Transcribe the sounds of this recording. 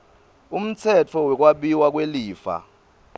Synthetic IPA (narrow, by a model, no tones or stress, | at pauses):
um̩t͡sʰɛt͡fʰɔwɛk̬ʼwaɓiwak̬ʼweliːfa̰